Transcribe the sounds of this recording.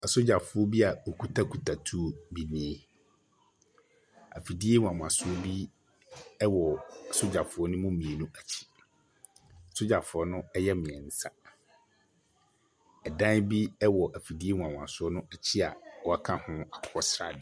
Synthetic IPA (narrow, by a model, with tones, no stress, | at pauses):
a˨sʊ˦d͡ʑa˨fʊ˨˦ɔ˦bi˦a˨o˨kʰu˦tʰa˦kʰu˨tʰa˨tʰu˦bi˨nĩ˦e˨ | a˨fi˨di˦e˦ŋʷwã˨mʊ̃˨a˨sʊ˦ɔ˦bi˦ | ɛ˦wɔ˨a˨sʊ˦d͡ʑa˨fʊ˨˦ɔ˦nʊ̃˦mʊ̃˦mĩ˨e˨nũ˦ʔa˨t͡ɕʰi̥˦ | a˨sʊ˦d͡ʑa˨fʊ˨ɔ˦nʊ̃˦ɛ˦jɛ˦mɪ̃˨ɛ˨n̩˨sa˦ | ɛ˨dã˦bi˦ɛ˦wɔ˨ʔa˨fi˨di˦e˦ŋʷ˨ã˨m̃˨a˨sʊ˦ɔ˦nʊ̃˦ɛ˨t͡ɕʰi˦a˨ɔ˦a˦kʰã˦hʊ̃˦a˨kʰʊ̥˦hʰɔ˦sɾa˦˨dɪ˨